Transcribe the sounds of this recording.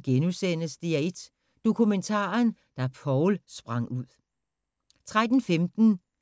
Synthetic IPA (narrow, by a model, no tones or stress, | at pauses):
ɡ̥enusen̰əsd̥iæd̥ | d̥o̝kʰument͡sʰɑ̰̈ːn | d̥ɑpʰɒʊlsb̥ʁɑ̈ŋ̰uð̰ˠ | t͡sʰʁad̥n̩femd̥n̩